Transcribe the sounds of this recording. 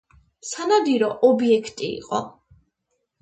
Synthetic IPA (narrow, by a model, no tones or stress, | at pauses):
sanad̪iɾɔʔɔbiɛkʰt̪ʼḭːqʼɔ̰